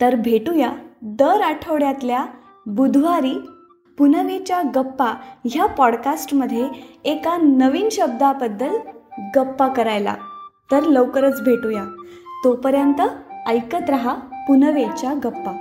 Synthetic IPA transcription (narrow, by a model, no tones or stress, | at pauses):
t̪əɾbʱeʈujad̪əɾaʈʰəʋɽjat̪lja | bud̪ʱʋaɾiː | punəʋet͡ɕjaɡəpːaɦjapɔɽkasʈməd̪ʱːjeekanəʋiːnɕəb̚d̪abəd̪ːəlɡəpːakəɾajla̰t̪əɾləwkəɾət͡sbʱeʈuja | t̪opəɾjant̪əəjkət̪ɾəɦapunəʋet͡ɕjaɡəpːa